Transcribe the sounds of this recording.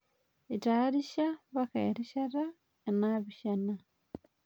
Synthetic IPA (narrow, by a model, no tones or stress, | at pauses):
itaɾiʃaβaka̰iɾiʃaɾa | enaβiʃana